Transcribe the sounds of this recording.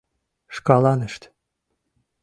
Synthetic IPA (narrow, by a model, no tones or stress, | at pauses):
ʃkɑlˠɑnɯʃt̪